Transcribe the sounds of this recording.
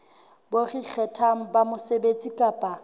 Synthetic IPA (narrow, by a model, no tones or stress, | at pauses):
borik͡xʰɛtʰaŋ̩bamʊsebet͡sʼikʼaːpʼa